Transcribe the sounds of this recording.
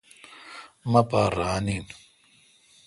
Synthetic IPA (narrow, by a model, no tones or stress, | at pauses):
mɐpaːɾaːnin